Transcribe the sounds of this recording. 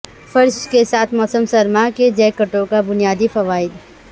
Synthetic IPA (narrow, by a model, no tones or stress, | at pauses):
fʰɐɾʃkesaːt̪ʰmɔːsəmsɐɾmaked͡ʒɛːkəʈõkabʊnijaːd̪ifɐʋaːɪd̪